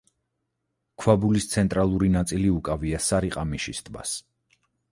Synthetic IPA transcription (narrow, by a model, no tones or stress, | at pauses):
kʰwabulist̪sʰɛnt̪ʼɾalˠuɾinat̪sʼiliukʼaviasaɾiqʼamiʃist̪ʰʼba̰s